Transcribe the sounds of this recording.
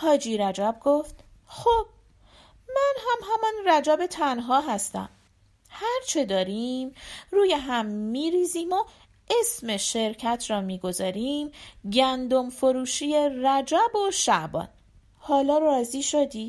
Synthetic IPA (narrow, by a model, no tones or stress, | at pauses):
hɒːd͡ʒiːɾæd͡ʒæbɡoft̪ | xob̥̚ | mænɦæmɦæmɒnræd͡ʒæbe̞t̪ʰænɦɒːɦæst̪æ̰m | hæɾt͡ʃʰed̪ɒːɾimruːjeɦæmːiːɾiːziːmo | esme̞ʃe̞ɾcʰæt̪ʰrɒːmiːɡo̞zɒːɾimɟænd̪omfoɾuːʃieræd͡ʒæboʃæʔbɒ̰ːn | hɒːlɒːrɒːziːʃod̪iː